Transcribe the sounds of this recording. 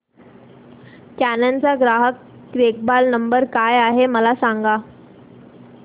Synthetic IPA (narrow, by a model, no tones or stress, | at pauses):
kænant͡saɡɾaɦəkː | ɾek̚balnəmbəɾkajaɦeməlasaŋɡa